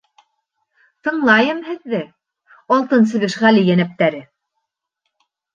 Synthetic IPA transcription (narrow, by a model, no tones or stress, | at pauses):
t̪ɤ̆ɴlˠɑjɤmhɘ̆ðːɘ | ɑlˠt̪ɤns̬ɘ̆βɘʃʁælʲijænæp̚t̪æɾɘ